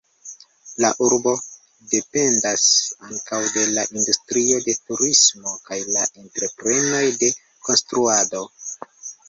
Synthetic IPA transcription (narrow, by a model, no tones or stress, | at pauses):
laʔuɾbo̞ | de̞pe̞ndasaŋkawde̞laʔindustɾio̞de̞tuɾismo̞kajlaʔe̞ntɾe̞pɾe̞no̞jde̞ | ko̞nstɾuado̞